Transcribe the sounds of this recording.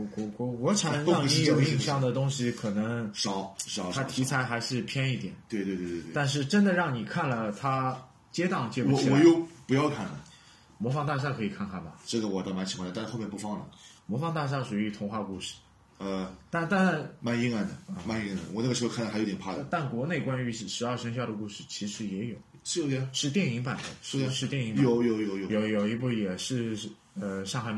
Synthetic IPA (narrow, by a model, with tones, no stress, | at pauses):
kɔ˧˥kwɔ˧˥wɔ˧˥ʈ͡ʂʰa˨˥nɻŋ˧i˧˥jo˥˨˩ʊi˥˧ŋɕjɑ˥˩ŋd̪ə˩t̪ʊ˥ŋɕi˥kʰɤ˨˩nɤ˧˥ŋʂɑ˧˥ʊʂɑ˧˥t̪ʰa˥t̪ʰi˧˥t͡sʰa˧˥ɪxa˧˥ɪʂɻ̩˥˩pʰjɛ˥ni˥˩t̪jɛ˨˩˦nt̪we˥˧t̪we˥˧t̪we˥˧˩twe˥˧wt̪a˥˧nʂ̬ɻ̩˥˩ʈ͡ʂə˥nd̪ə˨ɻɑ˥˩ŋni˨˩kʰa˥˩nlə˩t̪ʰa˥ | t͡ɕjɛ˥t̪ɑ˥˧ŋt͡ɕjɛ˥˩u˨˧˥wɔ˨˥˩jo˥˩ʊpu˧˥jɑ˥˧ʊkʰa˥˩nlə̰˩ | mwɔ˧˥fɑ˧˥ŋt̪a˥˧ʂ̬a˥˩kʰɤ˧˥i˨˩kʰa˥˩nkʰa˥˩nbɐ˩ʈ͡ʂɤ˥˩ɡə˩wɔ˨˩t̪ɑ˥˩ma˧˥nt͡ɕʰi˧˥kwa˥˩˨a˥˧˥xmjpu˥˩fɑ˥˧˩ŋlə̰˩mwɔ˧˥fɑ˧˥ŋt̪a˥˧ʂ̬a˥˩ʂu˨˩y˧˥t̪ʰʊ˧˥ŋxwa˥˧ku˥˧ʂɻ̩˥˩ | ə˧t̪a˥˧nt̪a˥˧n˥˩nma˥˩ni˥ŋa˥˩nd̪ə˩ə˧˩ma˥˧ni˥ŋ˥˩d̪ə̰˨˩wɔ˨˩n˥˩ə˩ʂɻ̩˧˥˧kʰn˥˧˥jo˧˥ɛ˨˩pʰa˥˩d̪ə˨˩t̪a˥˩nkwɔ˧˥ne˥˩ɪkwa˥ny˧˥˩ʂɻ̩˧˥a˞˥˩ʂə˧˥ŋɕ̬jɑ˥˩ʊɾə˩ku˥˧ʂɻ̩˥˩t͡ɕʰi˧˥ʂɻ̩˧˥jɛ˧˥jo˨˩˦ʊ˥˧ʂɻ̩˥˧t̪jɛ˥˩ni˧˥ŋpa˨˩ɪd̪ə˦ʂ̩˥˧ʂɻ̩˥˧t̪jɛ˥˩ni˧˥ŋajo˧˥˦ʊjo˧˥ʊjo˧ʊjo˨˩ʊjo˧˥ʊjo˨˩ʊi˧˥p̬u˥˩jɛ˨˩ʂɻ̩˥˧ | ə˧ʂɑ˥˧ŋxa˧˥ɪm